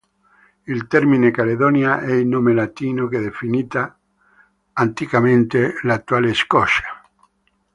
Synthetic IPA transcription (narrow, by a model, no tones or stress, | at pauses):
ilt̪ɛɾminekaleðonjaʔɛilnomelat̪inokeðefinit̪a | nt̪ikamẽnt̪elat̪ːualeskɔʃḁ